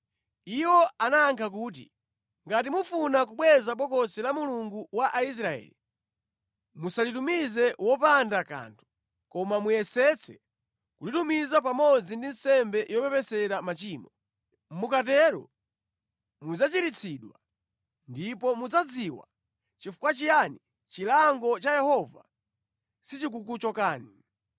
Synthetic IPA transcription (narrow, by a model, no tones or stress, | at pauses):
iwɔanaːŋkʰak̬uːt̬ḭ | ŋɡat̬imufunak̬uɓwɛzapɔkɔsɛlamuluŋɡuwaʔais̬ɾaɛ̰ːli | musalitumizɛwɔpandaka̰ntʰu̥ | kɔmamujɛsɛt͡sʰɛ̰ | kulitumizap̬amɔd͡zindin̩sɛmbɛjɔpɛpɛsɛɾamat͡ʃiːmɔ | m̩mukat̬ɛɾɔ̰ | mud͡zat͡ʃiɾit͡sʰiɗwa | ndipɔmud͡zad͡ziwa̰ | t͡ʃifu̥kwat͡ʃijani | t͡ʃilaŋɡɔt͡ʃajɛhɔva | sit͡ʃik̬ukut͡ʃɔkaːni